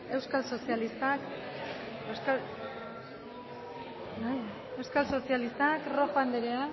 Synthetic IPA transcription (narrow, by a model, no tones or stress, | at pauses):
e̞wskalso̞sialist̪ak | esal | naj | ewskalso̞sialist̪akrofand̪eɾea